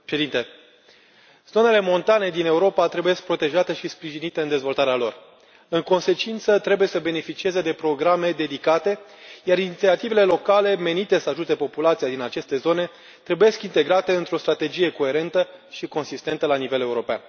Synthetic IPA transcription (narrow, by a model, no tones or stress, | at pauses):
ʃed̪int̪e | z̥o̞ne̞le̞mo̞nt̪ane̞d̪ine̞uɾo̞pat̪ɾe̞buje̞sk̚pɾo̞t̪e̞ʒat̪e̞ʃispɾiʒinit̪e̞ɨnd̪e̞zvo̞lt̪aɾealo̞̰r | ɨŋko̞nse̞t͡ʃint̪sət̪ɾe̞buje̞səbe̞ne̞fit͡ʃieze̞d̪e̞pɾo̞ɡɾame̞d̪e̞d̪ikat̪e̞jaɾinit̪siat̪ive̞le̞lo̞kale̞me̞nit̪e̞səaʒut̪e̞po̞pulat̪sijad̪inat͡ʃe̞st̪e̞zo̞ne̞ | t̪ɾe̞buje̞skint̪e̞ɡɾat̪e̞ɨnt̪ɾo̞st̪ɾat̪e̞d͡ʒije̞ko̞e̞ɾe̞nt̪əʃiko̞nsist̪e̞nt̪əlanive̞le̞uɾo̞pea̰n